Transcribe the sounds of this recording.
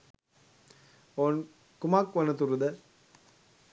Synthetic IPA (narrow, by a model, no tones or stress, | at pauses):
oːn | kʊmaːkʋɐnɐt̪uɾɯd̪ɐ